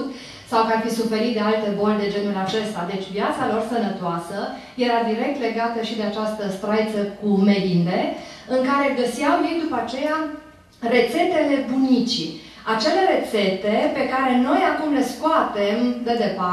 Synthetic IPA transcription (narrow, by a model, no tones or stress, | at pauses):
t̪ | sawkarfisufe̞ɾit̪d̪e̞alt̪e̞bo̞led̪e̞d͡ʒe̞nulʲat͡ʃe̞st̪ad̪e̞t͡ʃʲvjat̪salo̞rsənət̪oasə | je̞ɾad̪iɾe̞k̚t̪le̞ɡat̪əʃid̪e̞at͡ʃast̪əst̪ɾajt̪səkume̞lind̪e̞ | ɨŋkaɾe̞ɡəsiawlid̪upaat͡ʃe̞ja | re̞t̪se̞t̪e̞le̞bunit͡ʃi | at͡ʃe̞le̞ɾe̞t̪se̞t̪e̞pe̞kaɾe̞no̞jakumle̞skoat̪e̞md̪e̞d̪e̞pa